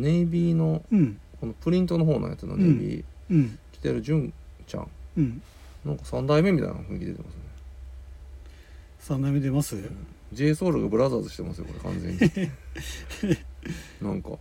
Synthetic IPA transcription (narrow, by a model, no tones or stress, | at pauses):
nebʲiːno̞ko̞no̞pɯ̟ɾʲĩnt̪o̞no̞ɦo̞ːnoja̰t͡sɨnonebʲḭː | kʲi̥t̪eɾɯ̟ʑɨ̃nt͡ɕã̰ŋ | nãŋkḁsãnd̪aime̞mʲit̪a̰ḭnaɸɯ̟̃ŋkʲid̪e̞t̪emasɨne̞ | sãnd̪aimed̪emasɨ̃ | d͡ʑeːsoːɾɯɡabɯ̟ɾazaːzɨɕi̥t̪e̞masɨjo̞ko̞ɾe̞̰kã̰nzḛ̃ɲːi | nãŋka̰